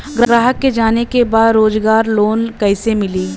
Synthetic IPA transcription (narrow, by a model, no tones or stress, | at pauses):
ɡɾɡɾaːɦəkːed͡ʒaːnekebaːd̪ɾoːd͡ʒɡaːɾloːnkɛɪsemɪliː